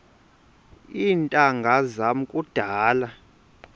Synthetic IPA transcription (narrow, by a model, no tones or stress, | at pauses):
intʼaŋɡʱazamukʼud̥ʱaːla